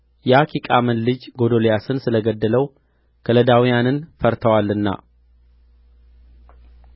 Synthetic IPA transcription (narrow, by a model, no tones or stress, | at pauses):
jɛakʰikʼamɨnlɨd͡ʒɡo̞d̪oljasɨnsɨləɡəd̪ːələw | kʰələd̪awijanɨnfəɾt̪ʰəwalːɨnːa̰